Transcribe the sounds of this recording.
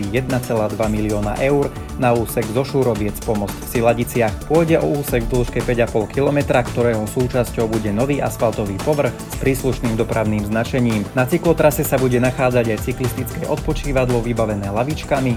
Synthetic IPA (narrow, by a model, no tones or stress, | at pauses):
ijɛd̪̚nat͡sɛlaːd̪ʋamiliɔːna̰ʔɛʊɾ | nauːsɛɡzɔʃuːɾɔʋɪɛt͡spɔmɔt͡sfsilaɟit͡sɪaxpʊɔjɟɛʔɔuːsɛɡvd̪l̩ʃkɛpɛɟapɔlkilɔmɛt̪ɾakt̪ɔɾɛːɦɔsuːt͡ʃascɔʊbuɟɛnɔʋiːʔaspalt̪ɔʋiːpɔʋr̩xspɾiːsluʃniːmd̪ɔpɾaʊniːmznat͡ʃɛɲiːmnat͡siklɔt̪ɾasɛsabuɟɛnaxaːd͡zaɟajt͡siklist̪it͡skɛʔɔt̪̚pɔt͡ʃiːʋad̪lɔʋibaʋɛnɛːlaʋit͡ʃkami